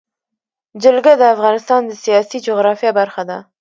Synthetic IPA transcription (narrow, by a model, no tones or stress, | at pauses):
d͡ʒəlɡad̪əafɣɑnɪst̪ɑnd̪əsijɑsid͡ʒoɣɾɑfijɑbaɾxad̪a